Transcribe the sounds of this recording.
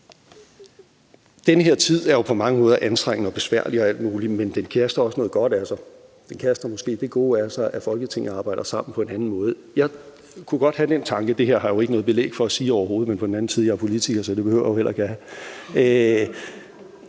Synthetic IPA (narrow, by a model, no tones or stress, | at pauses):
d̥enəɦe̝ɐ̰t͡sʰið̞̰ˠæɐjo̝pʰɒ̽mɑ̈ŋəmɔ̽ːð̞ˠɐʔænsd̥ʁaŋ̰nəɒ̽b̥e̝sʋæɐ̰liɒɒæl̰d̥muːlimend̥enkʰæsd̥ɐɒ̽sənɔ̽ːð̞̩ˠɡ̥ɒ̽ɾ̥ælsɑ | d̥enkʰæɐsd̥ɐmɔ̽sɡ̥e̝̰ːd̥e̝ɡ̥o̝̰ːæɐsɑ̈ɪʔæfɒ̽lɡ̥ət͡sʰe̝ŋn̩ɑ̈ːb̥ɑ̈ɪ̰d̥ɐsɑ̈m̰n̩pʰɒ̽e̝nænn̩mɔ̽ːð̞̩ˠjɑ̈ɪ | kʰuɡ̥ɒ̽d̥hæd̥en̰t͡sʰɑ̈ŋɡ̥əd̥e̝heɐ̰ɦɑ̈jo̝e̝ɡənɔ̽ːðˠb̥e̝lḛːɡ̥fɒ̽æsiːɒʊɐɦo̝ːð̩ˠmenpʰɒ̽denæn̩siðˠjɑ̈æɐpʰo̝lit͡sʰiɡ̥ɐsɒd̥e̝b̥e̝hø̰ʊ̰ɐjohelɐkʰææ